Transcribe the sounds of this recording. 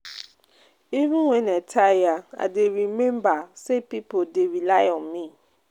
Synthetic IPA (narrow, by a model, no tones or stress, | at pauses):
ivɪ̃nwɛ̃nɛtʰajaa̰deɾimɛ̃mbasepipʰodeɹilajɔ̃mmĩ